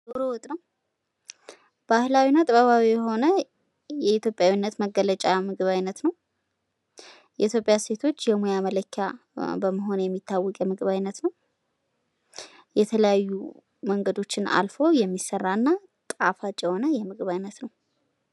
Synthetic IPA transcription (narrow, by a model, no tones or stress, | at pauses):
zoɾowɔt̪ʼnəw | b̥ahlawinːat̪ʼɨβəβawijɛɦo̞nə | jɛit̪jo̞pʼjawinːət̪məɡələt͡ʃʼamɨɡɨβajnːət̪nəw | jɛʔit̪jo̞pʼjase̞t̪ʰo̞t͡ʃːjɛmujamələkʰːa | bəmːəɦo̞njɛmːit̪ʰːawːɔkʼjɛmɨɡɨβajnːət̪nəw | jɛt̪ʰələjajːu | məŋɡəd̪o̞t͡ʃːɪna̰lfo̞jɛmːisːərːaɨnːa | t̪ʼafat͡ʃʼjɛho̞nəjɛmɨɡɨβajnːət̪nəw